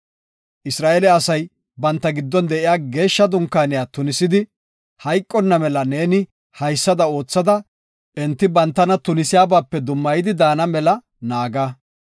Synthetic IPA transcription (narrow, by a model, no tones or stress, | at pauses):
ʔɪsɾaːʔelɛɐsɐj | bɐnt̪ːɐɡɪd̪ːɔnd̪ɛʔɪjaːɡe̞ːʃːɐd̪ʊŋkːaːnɪjaːt̪ʊnɪsɪd̪ɪ | hɐjkʼːɔnːɐmɛlɐneːnɪ | hɐjsːɐd̪ɐo̞ːt͡sːɐd̪ɐ | ʔɛnt̪ːɪbɐnt̪ːɐnɐt̪ʊnɪsɪjaːbaːpːɛd̪ʊmːɐjɪd̪ɪd̪aːnɐmɛlɐ | naːɡa